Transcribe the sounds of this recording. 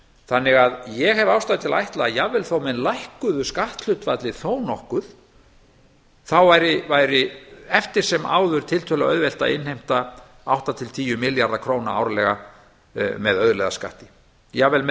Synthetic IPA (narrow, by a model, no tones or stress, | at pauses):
θanːɪɣaðjɛɣɦɛvawst̪aðɪt̪ʰɪla̰jht̪laːjavːɛlθowmɛnlajhkʏðʏskaht̪l̥ʏht̪vat̪lɪθoːwnɔhkʏð | θawvajɾɪvajɾɪɛft̪ɪɾ̥sɛma̰ːwðʏɾ̥t̪ʰɪlt̪ʰœːlaœðvɛl̥t̪a̰ðɪ̰nhejm̥t̪a | awht̪at̪ʰɪlt̪ʰiːjʏmɪljaɾðakʰɾoːwna̰a̰wɾalɛɣa | mɛðœðlejða̰ska̰ht̪ɪ̥ | javɛlm